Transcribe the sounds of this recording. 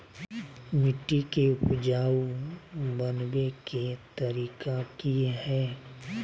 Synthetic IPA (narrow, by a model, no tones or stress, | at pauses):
mɪʈːikeʊpd͡ʒaːw | bənweket̪ɐɾiːkakiɦɛː